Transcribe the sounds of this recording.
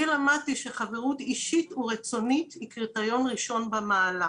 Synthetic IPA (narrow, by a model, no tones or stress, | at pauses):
ilamad̚t̪iʃe̞χaveʁut̪iʃituʁet͡so̞nit̪hikʁitajo̞nʁiʃo̞nbamaːla